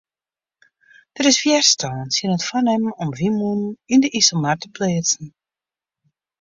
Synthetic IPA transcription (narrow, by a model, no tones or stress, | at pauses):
d̥əɾɪsfjɛrstʰɔːnsjənətfɔnɛmɔmʋimunindəʔisəlˠmartəpleət͡sn̩